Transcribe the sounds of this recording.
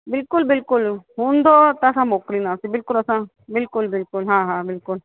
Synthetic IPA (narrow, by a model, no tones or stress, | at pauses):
bɪlkʊlbɪlkʊlɦũːnd̪oːt̪aəsãːmoːklinãːsĩbɪlkʊləsãː | bɪlkʊlbɪlkʊlɦãːɦãːbɪlkʊl